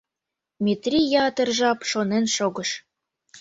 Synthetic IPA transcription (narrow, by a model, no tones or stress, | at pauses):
mʲit̪rʲijɑt̪ərʒɑpʃonenʃoɣəʃ